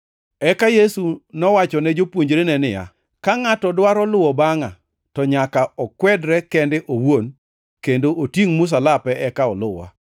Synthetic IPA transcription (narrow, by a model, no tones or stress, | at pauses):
ɛkajesunɔwat͡ʃɔnɛd͡ʒopwoɲd͡ʒɾenɛnɪja̰ | kaŋatɔdwaɾɔlʊwɔbaŋa | tɔɲakaɔkwɛdɾɛkɛndɪʔowon | kendoʔotjiŋmʊs̬alapɛʔɛkaɔlʊwa̰